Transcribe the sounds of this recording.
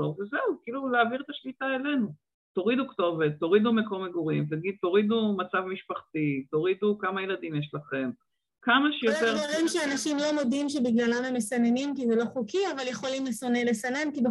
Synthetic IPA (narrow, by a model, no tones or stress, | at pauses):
ovezeukiːluleaviʁet̪aʃlit̪ae̞lenu | t̪o̞ʁid̪ukt̪o̞vet̪ːo̞ʁid̪umeko̞meɡoʁimt̪aɡid̪̚t̪o̞ʁid̪umat͡savmiʃpaχt̪it̪o̞ʁid̪ukamajelad̪imjeʃlaχe̞m | kamaʃejot̪eʁvaʁimʃeanaʃimlo̞mo̞dimʃ̬ebiɡlalamhemesanenimkizelo̞χukiavalje̞χo̞limleso̞ne̞le̞sanenkilu